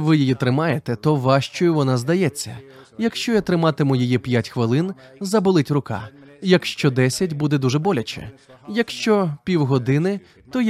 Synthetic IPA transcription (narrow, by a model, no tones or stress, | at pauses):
ʋɪjijit̪ɾɪmɑjet̪ɛt̪ɔʋɑʃt͡ʃɔjʊʋɔnɑzd̪ɐjɛt͡sʲːɐ̰ | jɐkʃt͡ʃɔjɐt̪ɾɪmɑt̪ɪmʊjijipʲjatʲxʋɪlˠɪn | zɐbɔlˠɪtʲrʊkɑ̰jɐkʃt͡ʃɔd̪ɛsʲɐt̚ʲbud̪ɛd̪uʒɛbɔlʲɐt͡ʃɛ̰jɐkʃt͡ʃɔpʲiwɦɔd̪ɪnɪ | t̪ɔj